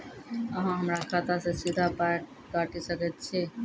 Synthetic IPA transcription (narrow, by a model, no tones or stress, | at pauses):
əɦãɦəmɾakʰat̪asẽsid̪ʱapa | kaʈisəkɛt̪̚t͡ʃʰi